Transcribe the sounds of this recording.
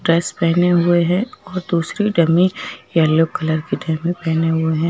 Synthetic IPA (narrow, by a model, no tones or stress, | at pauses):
ɖɾɛːspɛːneɦʊeɦɛ̃ɔːɾd̪uːsɾiɖɐmijɛːlːokɐləɾkiɖʱɛmẽpɛːneɦʊeɦɛ̃ː